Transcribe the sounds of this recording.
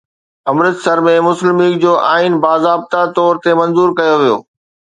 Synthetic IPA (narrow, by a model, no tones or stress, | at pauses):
ɐmɾət̪sɐɾmẽmʊslɪmiːk̚d͡ʑoːʔaːinbaːzaːb̚t̪at̪ɔːɾt̪emɐ̃nzuːɾkɐjoʋijo̰ː